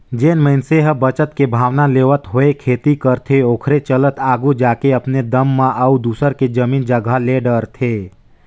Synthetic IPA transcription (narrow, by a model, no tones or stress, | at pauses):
d͡ʒeːnməɪnseɦəbət͡ʃət̪kebʱaːʋnaleːʋət̪ɦoekʰeːt̪ikəɾt̪ʰeoːkʰɾet͡ʃələt̪ʰaːɡud͡ʒaːkeɐpned̪əmːãʔəud̪uːsəɾked͡ʒəmiːnd͡ʒəɡʱaleɖəɾt̪ʰeː